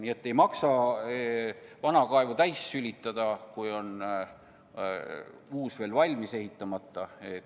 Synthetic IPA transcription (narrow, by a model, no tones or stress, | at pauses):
nie̞t̪ːe̞jmɑksɑ | vɑnɑkɑevut̪æjsːylʲit̪ˑːɑd̪ɑkujo̞n | uːsv̥e̞ːlvɑlʲmise̞ɦit̪ːˑɑmɑt̪ˑːɑet̪